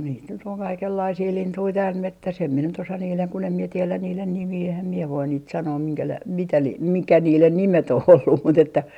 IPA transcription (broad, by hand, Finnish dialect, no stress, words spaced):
niːt nyt oŋ kɑikelːɑisiː lintui tæːl metːæs em mie nyt osɑ niːleŋ kun em mie tielæn̆ niːlen nimiː ehæm mie ʋoin niːt sɑnoː miŋkælæi mitæ li mikæ niːlen nimet oh olːum mut etːæ